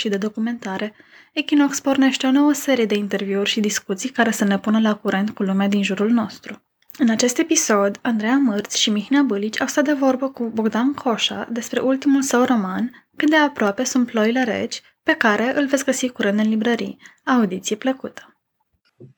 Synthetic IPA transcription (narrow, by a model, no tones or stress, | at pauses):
ʃid̪e̞d̪o̞kume̞nt̪aɾe̞ | ekinokspo̞rne̞ʃt̪eo̞no̞wəse̞ɾije̞d̪e̞int̪e̞rviurʲʃid̪iskut̪sijkaɾe̞səne̞punəlakuɾe̞nt̪̚kulumead̪inʒuɾulno̞st̪ɾu | ɨnat͡ʃe̞st̪e̞piso̞d̪and̪ɾejamɨrt̪sʲʃimiçinabɨlit͡ʃʲa̰wst̪at̪̚d̪e̞vo̞rbəkuboɡd̪ankʰo̞ʃa̰d̪e̞spɾe̞ʔult̪imulsəwro̞man | kɨt̪̚d̪e̞apɾoape̞sunt̪̚plo̞ile̞ɾe̞̰t͡ʃʲ | pe̞kaɾe̞ʔɨlvetsʲɡəsikuɾend̪ɨnlibɾəɾḭaːud̪it̪sijepləkut̪ə̥